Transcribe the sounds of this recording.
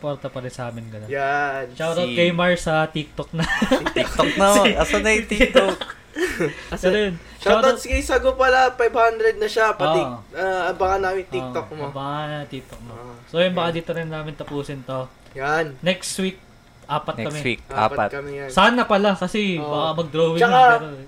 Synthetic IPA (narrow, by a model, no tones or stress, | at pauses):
spoɾt̪ɐpɐɾɪnsɐʔaːmɪnɡɐnojanʃaɾoɡejmɐɹsɐt̪ik̚t̪ok̚nɐkt̪ok̪ɐɐsɐnɐjʊt̪ikt̪ok | ɛɾojon | ʃaat̪ɐskijsɐɡopɐlapajb̚hand̪ɾɛd̪nɐʃapʔɐoiʔɐɐbɐŋanaːmɪŋt̪ioʔ̪ok̚mobaanɐt̪iːk̚t̪ok̚mosojʊnbɐkad̪iːt̪oɾɪnːaːmɪnt̪ɐpuːsɪnt̪o | jannɛkswik̚ | ʔaːpɐt̪kɐmɛka̰ːtɐmɛsaːnɐpɐlakɐsɛbakɐmɐɡ̚d̪ɾoːwɪŋt͡ʃɐk̪at̪o